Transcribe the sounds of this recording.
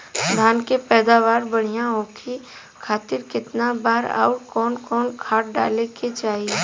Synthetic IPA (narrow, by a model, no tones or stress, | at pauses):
d̪ʱaːnkepɛːd̪aːʋaːɾbɐɽ̤ijãõːkʰi | kʰaːt̪ɪɾkɪt̪nabaːɾa̰ːʈkɔːnkɔːnkʰaːʈ̚ɖa̰ːleket͡ʃaːɦie